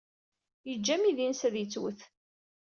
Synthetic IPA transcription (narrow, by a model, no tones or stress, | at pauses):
jəd͡ʒːæmiðinsæðjət͡sːwəθ